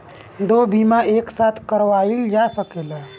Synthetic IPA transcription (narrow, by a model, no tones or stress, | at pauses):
d̪obimaeksat̪ʰkəɾʋaild͡ʒasəkela